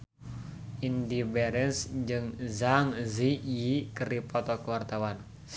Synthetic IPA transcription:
indibɛɾɛnsd͡ʒɨŋzaŋzijikəripɔt̪ɔkəwart̪awan

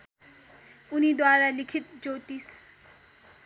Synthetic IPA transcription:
unid̪waɾalikʰit̪̚d͡zot̪is

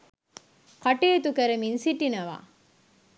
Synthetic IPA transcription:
kɐʈeːt̪ukɐɾəminsiʈinɐʋa̰ː

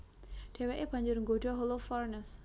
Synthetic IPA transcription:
ɖ̥eweʔeb̥a̤ɲd͡ʒʊrŋɡoɖɔɦolofɔrnəs

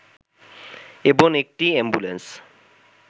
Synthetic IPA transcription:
eboŋek̚ʈiɛmbulens

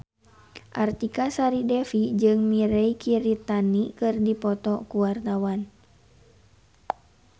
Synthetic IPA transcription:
ʔart̪ikasaɾidɛfid͡ʒɨŋmiɾɛikʰiɾit̪anikɨrdipɔt̪ɔkuwart̪awan

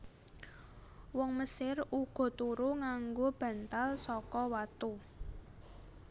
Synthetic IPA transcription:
wɔŋməsɪruɡ̥ɔ̤t̪uɾuŋaŋɡob̥ä̤nt̪alsɔkɔwat̪u

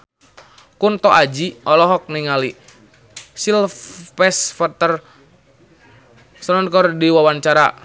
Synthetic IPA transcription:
kunt̪ɔʔad͡ʒiʔɔlɔɦɔk̚niŋali | silpɛsfat̪ər | sɔnɔnkɔrdiwawaɲt͡ʃaɾa

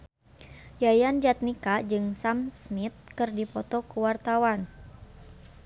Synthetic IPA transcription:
jajand͡ʒat̪̚nikad͡ʒɨŋsamsmit̪̚kɨrdipɔt̪ɔkuwart̪awan

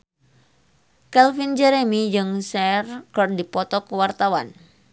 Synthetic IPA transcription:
kɛlfind͡ʒɛɾɛmid͡ʒɨŋsɛrkərdipɔt̪ɔkəwart̪awan

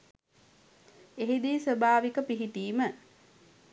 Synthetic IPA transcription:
eɦid̪iːsʋəbaːʋikəpiɦit̪iːmə

